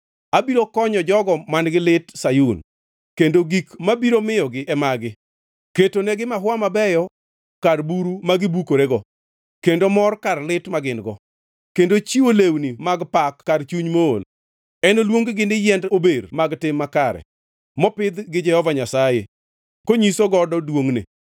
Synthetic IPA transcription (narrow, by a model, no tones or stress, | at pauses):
abiɾokɔɲɔd͡ʒɔɡɔmanɡɪlɪtsajun | kendoɡikmabiɾomɪjɔɡɪʔɛmaɡɪ | ketonɛɡɪmaɦwamabɛjɔ | karbuɾumaɡɪbukoɾeɡɔ | kendomɔrkarlɪtmaɡɪnɡɔ | kendot͡ʃiolewnimaɡpakːart͡ʃuɲmoo̰l | ɛnolwoŋɡɡɪnɪjɛndobermaɡtɪmːakaɾɛ̰ | mɔpɪd̪ɡɪd͡ʒɛhɔvaɲasajḛ | koɲisoɡɔdɔdwoŋnḛ